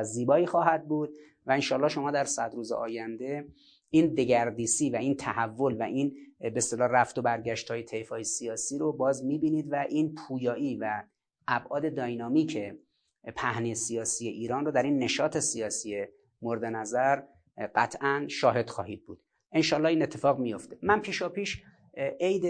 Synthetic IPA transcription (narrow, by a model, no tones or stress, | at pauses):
ziːbɒːiːxɒːɦæd̪̚buːd̪̥̚ | væenʃɒːlːɒːʃo̞mɒːd̪æɾsæd̪ɾuːzḛʔɒːjænd̪e̞ | iːnd̪e̞ɡæɾd̪iːsiːvæiːnt̪ʰæhævːo̞lvæʔinbest̪elɒːræft̪obæɾɟæʃt̪hɒːjet̪ʰe̞jfɒːjesijɒːsiːɾobɒːzmiːbiːniːd̪væʔiːnpʰuːjɒːʔiːvæ | ʔːbʔɒːd̪e̞d̪ɒːjnɒːmiːcʰe | pʰæhnisijɒːsije̞ʔiːɾɒːnrod̪æɾinːe̞ʃɒːt̪ʰe̞sijɒːsije | moɾd̪e̞næzæɾ | ɢæt̪ʰʔænʃɒːɦe̞d̪̥xɒːhiːd̪̚buːd̪̥ | ʔenʃɒːlːɒːiːnet̪ʰːe̞fɒːɣmijo̞ft̪e̞mænpʰiːʃɒːpiːʃ | ʔejd̪